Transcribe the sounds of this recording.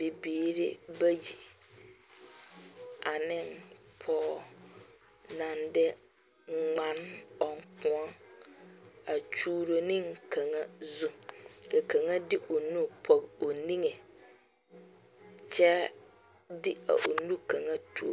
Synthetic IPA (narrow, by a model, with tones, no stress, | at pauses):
be˨biː˨˦ɾḛ˦bɛ˦ji˨ | a˨nɪ̃˦npʰɔː˦˨ | nã˨ndɛ˦ | ŋ͡mã˨˦nɔ˨ŋ˨kʰʊ̃˦ã˦ | a˨t͡ʃʰuː˦ɾo˨nɪ̃˦ŋ˨kʰã˨ŋã˦zũ˦ɛ˨kʰã˨ŋã˦dɪ˦ʔɔ˨nũ˦˨pʰɔ˨o˨nĩ˦ŋɛ̃˨ | t͡ɕʰɛ˦ | dɪ˦a̰˨ʔo˨nũ˦kʰa˨ŋã˦tʰu˦o̰˨